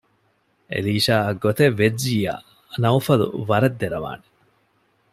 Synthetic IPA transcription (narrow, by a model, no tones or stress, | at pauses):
ḛliːʃaːɐɡːot̪eʋːed͡ʒiːja̰ | nɐwfɐlṵʋɐɾɐd̪ːeɾɐʋa̰ːne